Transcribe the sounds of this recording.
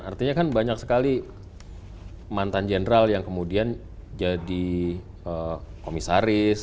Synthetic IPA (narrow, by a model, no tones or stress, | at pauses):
a̰rt̪iɲakanbaɲak̚sə̥kali | mant̪and͡ʒenəɾaljaŋkəmudian | d͡ʒadi | əkomisaɾɪs